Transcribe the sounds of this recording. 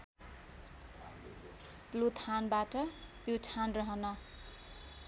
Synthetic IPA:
plut̪ʰanbaʈʌputʰanrʌɦʌnʌ

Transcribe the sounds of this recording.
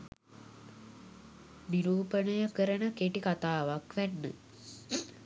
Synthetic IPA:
miɾuːpənəjəkəɾənəkeʈikat̪aːʋakʋænːə̰

